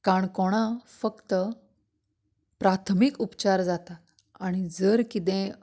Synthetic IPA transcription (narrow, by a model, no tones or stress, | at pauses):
kaɳkoɽ̃ãfəkt̪ə | pɾat̪ʰmikupt͡ɕaɾd͡zat̪a | aɽ̃id͡zəɾkit̪̬ɛ̃